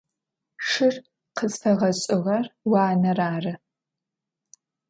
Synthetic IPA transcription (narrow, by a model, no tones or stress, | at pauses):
ʂɨr | qʰət͡sʼfɐʁɐɕʼɪʁɐrwɑːnɐraːrɨ